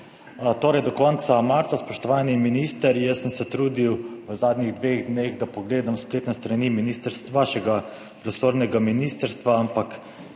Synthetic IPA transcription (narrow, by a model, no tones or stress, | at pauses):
t̪oːɾɛjd̪ɔkɔnt̪samaɾt̪saspɔʃt̪ɔʋaːniminiːst̪əɾjəsːəmsɛt̪ɾuːd̪iwʋəzaːd̪nɲiɣd̪ʋeɣd̪neɣd̪apɔɡleːd̪amspleːt̪nɛst̪ɾaniminiːst̪əɾst̪ʋaʃɛɡa | pɾɔsoːɾnɛɡaminist̪əɾst̪ʋaampak